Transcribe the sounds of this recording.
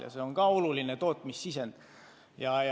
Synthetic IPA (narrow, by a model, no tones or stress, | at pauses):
jɑ̰seoŋkɑolulinet̪o̞ːt̪ːˑmisːisend̪̥ | jɑj